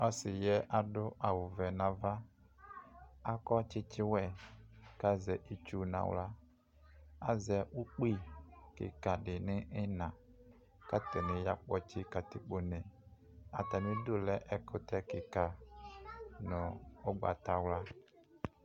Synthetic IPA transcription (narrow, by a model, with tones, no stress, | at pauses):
ɔ˦sɪ˨jɛ˦ʔa˨dʊ˦ʔa˨wʊ˨vɛ˨nã˨va˦ | a˦kɔ˦t͡ʃɪ˦t͡ʃɪ˦wɛ˨ka˦zɛ˨ʔi˨t͡ʃu˦nã̰˨w̰la˦ | a˦zɛ˨ʔu˦k͡pi˦˨kɪ̰˨ka˨dɪ˨nɪ˦ʔɪ˦nã˨ | ka˦tɛ˨nɪ̃˨ja˦k͡pɔ˦t͡ʃɪ˦ka˨tɪ˨k͡po˨nɛ˨ | a̰˨ta˨nɪ̃˦dʊ˦lɛ˦ʔɛ˨kʊ˦tɛ˦kɪ˨ka˨ | nʊ̃˨ʊ˦ɡ͡ba̰˨ta˨wla˦